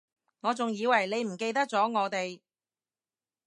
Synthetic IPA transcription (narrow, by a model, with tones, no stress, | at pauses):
ŋɔː˨˧t͡sʊ˨ŋjiː˨˧wɐ˨˩jne˨˧jm̩˨˩ke˧jt̪ɐ˥k̚t͡sɔː˨˥ŋɔː˨˧t̪e˨j